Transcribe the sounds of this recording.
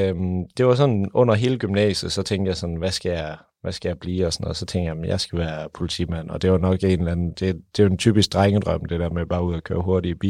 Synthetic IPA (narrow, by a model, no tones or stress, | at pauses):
md̥e̝ʋɑ̈sɒ̽nɔ̽n̰ɐɦe̝ːləɡ̥ymnɛ̰ːsð̩ˠsɒ̽t͡sʰeŋ̰ɡ̥d̥jɑ̈ɪsɒ̽nʋæsɡ̥æjɑ̈ | ʋæsɡ̥æjɑ̈ɪb̥lḭːɒ̽sɒnɔ̽ːðˠsɒ̽t͡sʰeŋ̰d̥jæm̩jɑ̈ɪsɡ̥æʋæːɐpʰo̝lit͡sʰḭmæn̰ɒ̽d̥e̝ʋɑ̈nɒ̽ɡ̥e̝nlæn̩d̥e̝d̥e̝jent͡sʰy̰ːb̥isɡ̥̚ʁaŋəd̥ʁɶm̰d̥ed̥æɐmeb̥ɑ̈ːuð̰ˠækʰø̰ːɐɦo̝ɐɾib̥ḭː